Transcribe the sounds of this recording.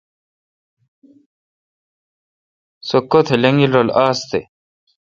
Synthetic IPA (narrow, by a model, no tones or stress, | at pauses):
sokːot̪ʰeleŋilɾolaːst̪e